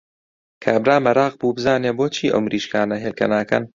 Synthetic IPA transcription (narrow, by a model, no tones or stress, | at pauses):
kʰaːbɾaːmɐɾaːq̚buːbɨzaːneboːt͡ʃʰiːʔɐ̰wmɾʔiːʃkaːnɐɦeːlkɐ̰naːkɐ̰n